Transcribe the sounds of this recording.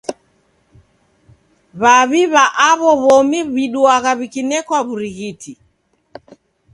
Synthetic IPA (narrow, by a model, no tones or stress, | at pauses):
βaβiβaʔaβɔβɔmiβiɗuaɣaβikinɛkwaβuɾiɣitʰi